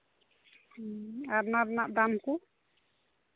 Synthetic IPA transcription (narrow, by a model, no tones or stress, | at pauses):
aɾnaɾnaʔd̪amku